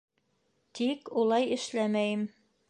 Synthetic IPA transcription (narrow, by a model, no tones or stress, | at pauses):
t̪ikulˠɑjɘ̆ʃlæmæjɘm